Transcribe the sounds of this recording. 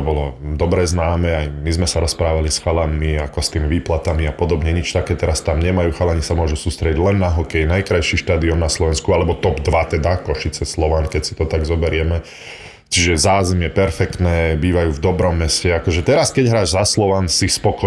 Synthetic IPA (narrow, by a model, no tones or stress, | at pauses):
bɔlɔd̪ɔbɾɛznaːmɛːajmizmɛsaɾɔspɾaːʋalisxalammiakɔst̪iːmiʋiːplat̪amiapɔd̪ɔbɲɛɲit͡ʃt̪akɛːt̪ɛɾast̪amɲɛmajuːxalaɲisamʊɔʒusuːst̪ɾɛɟiɟlɛnːaɦɔkɛjnajkɾajʃiʃt̪aːd̪iɔmnaslɔʋɛnskualɛbɔt̪ɔbd̪ʋat̪ɛd̪akɔʃit͡sɛslɔʋankɛcsi̥t̪ɔt̪aɡzɔbɛɾɪɛmɛ | t͡ʃiʒɛzaːzɛmjɛpɛɾfɛkt̪nɛːbiːʋajuːvd̪ɔbɾɔmːɛscɛakɔʒɛt̪ɛɾaskɛɟɦɾaːʒzaslɔʋansispɔkɔ